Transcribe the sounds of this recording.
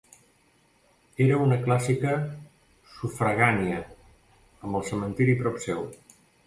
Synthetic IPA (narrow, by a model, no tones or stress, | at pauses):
eɾəunəklasikə | sufɾəɣaniə | əmbəlˠsəmənt̪iɾipɾɔpsɛw